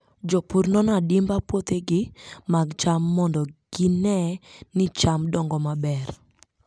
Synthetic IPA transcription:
d͡ʒɔpuɾnɔnɔadɪmbapwot̪eɡɪmaɡt͡ʃamːɔndɔɡ̥ɪnɛnɪt͡ʃamdɔŋɡɔmabɛr

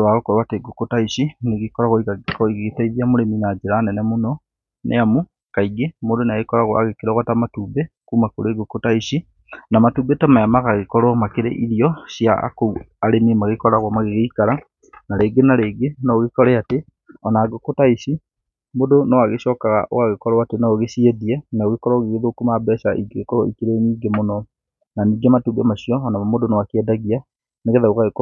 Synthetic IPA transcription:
waɣokɔɾoateɡokotaiɕineɣekɔɾaɣɔikakɔiɣetaiðiamoɾeminad͡ʒeɾanɛnɛmonɔ | nʔɛ̰amu | kaiɡemodoneaɣekɔɾaɣɔa̰ɣekeɾaɣwatamatuːbɛkuːmakoɾeɡokotaiɕi | namatubetamajamaɣaɣekɔɾɔmakeɾḛʔiɾiɔɕja̰kou | aɾenemaɣekɔɾaɣwamaɣeɣeikaɾa | naɾeːɡenaɾeːɡenaoɣekɔɾɛate | ɔnaɡokotaiɕi | modonɔwaɣeɕɔkaɣa̰ʔo̰ɣaɣekɔɾɔatenaoɣesieðiɛnaoɣekɔɾɔɣeɣeðokumabɛsaʔiɡeɣekɔɾɔikeɾeniːɡemonɔ | naniːɡɛmatubɛmaɕiɔːnamamodonowakeɛdaɣia | neɣɛðauɣaɣek

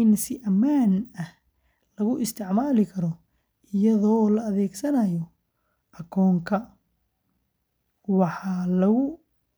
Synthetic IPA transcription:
ɪnsɪʔɐmaːnɐh | lɐɣʊʔɪst̪ʰɪʕmaːlɪkʰɐɾɔ | ɪjɐðɔːlɐːðɛːɡsɐnɐjɔ | ʔɐkʰɔːŋkʰɐ | wɑħɑlɐɣʊ

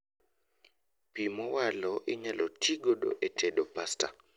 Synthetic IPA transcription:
pimɔwalɔʔɪɲalʔɔtʰiɡodo̰ʔetʰedopasta̰

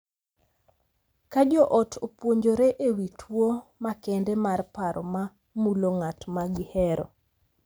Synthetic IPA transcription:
kad͡ʒɔʔɔtʰopwoɲd͡ʒoɾeʔewitʰwomakɛndɛmarpaɾɔma | muloŋatmaɡɪhɛɾɔ̰

